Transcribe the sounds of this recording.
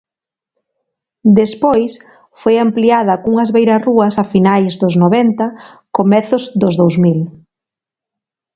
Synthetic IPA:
d̪espojs | fojampliað̞ɐkuŋɐzβejɾaruɐsafinajzd̪ʊznoβɛnt̪ɐ | komɛθʊzd̪ʊzðowzmil

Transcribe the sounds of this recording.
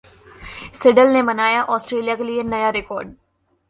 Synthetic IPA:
sɪɖəlnemənaːjaʔɔːsʈɾeːlijaːkelienəjaːɾɪkɔːɾɖ

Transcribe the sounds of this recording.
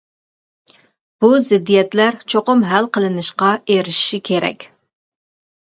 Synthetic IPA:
b̥uzɪd̪ːijɛt̪læɾt͡ʃʰoqʊmɦælqʰəlˠɨnɨʃqɑeɾɪʃi̥ʃikʲʰeɾɛ̰kʲ

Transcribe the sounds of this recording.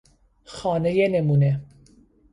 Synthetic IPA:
xɒːnejenemuːne

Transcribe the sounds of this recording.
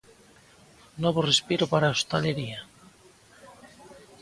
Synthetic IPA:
noβorespiɾopaɾaost̪aleɾia

